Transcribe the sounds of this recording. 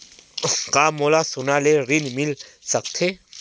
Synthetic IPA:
kamolasʊnalerinmilsak̚t̪ʰe

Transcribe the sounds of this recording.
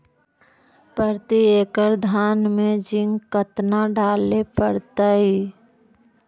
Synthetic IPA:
pəɾt̪ieːkəɾd̪ʱaːnmẽd͡ʒɪ̃ŋɡkət̪naɖaːlepəɽt̪aɦiː

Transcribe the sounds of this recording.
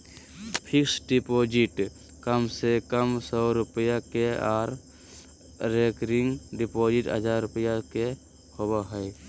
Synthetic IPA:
pʰɪksɖipoːd͡ʒɪʈ | kəmsekəmsɔːɾʊpəjakeaːɾ | ɾekɾɪŋɡɖipoːd͡ʒɪʈə̰d͡ʒʱaːɾːʊpəjake | hobaɦɛj

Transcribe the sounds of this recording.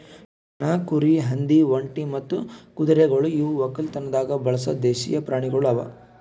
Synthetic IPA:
naːkuɾiɦɐnd̪iʋɐɳʈimɐt̪ːukud̪ɐɾɛɡɐɭuiʋuʋɐkːɐlt̪ɐnːɐd̪aːɡɐbɐɭɐsɐ̰d̪eːʃḭjɐpɾaːɳ̃iɡɐɭuɐʋɐ̰

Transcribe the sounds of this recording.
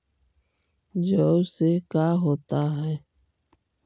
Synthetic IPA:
d͡ʒoːsekaːɦoːt̪aɦɛː

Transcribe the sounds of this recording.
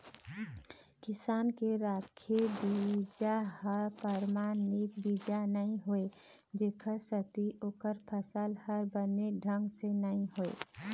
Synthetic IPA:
kɪsaːnkeɾaːkʰebid͡ʒahəɾpəɾmaːnɪk̚biːd͡ʒanəɦĩɦoe | d͡ʒeːkʰəɾsət̪iʔoːkəɾpʰəsəlhəɾbəneɖʱə̃ŋɡsenəɦĩɦoḛ

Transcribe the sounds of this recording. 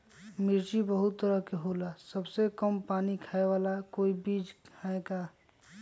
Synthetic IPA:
mɪɾd͡ʒibəɦʊt̪ːəɾəɦkeɦoːlasəbsekəmpaːnikʰaːeʋaːlakoːibiːd͡ʒkʰaeɡa

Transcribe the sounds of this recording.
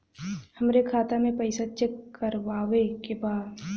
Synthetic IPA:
hɐmɾekʰaːt̪amẽpɐɪsat͡ʃekːəɾʋaːʋekebaːd̪

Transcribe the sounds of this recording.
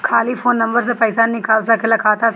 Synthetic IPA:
kʰaːliːpʰoːnːɐ̃mbəɾsepɐɪsaːnɪkaːlsakʰɪlakʰaːt̪a

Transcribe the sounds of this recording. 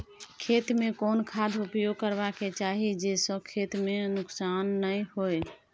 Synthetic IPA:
kʰet̪mẽkonkʰad̪ʱupjoɡ̚kəɾbaket͡ʃaɦid͡ʒesə̃kʰet̪menʊksanːəjhoj

